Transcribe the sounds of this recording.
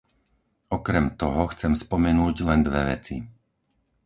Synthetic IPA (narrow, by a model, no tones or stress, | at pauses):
ɔkɾɛmt̪ɔɦɔxt͡sɛmspɔmɛnuːɟlɛnd̪ʋɛʋɛ̰t͡si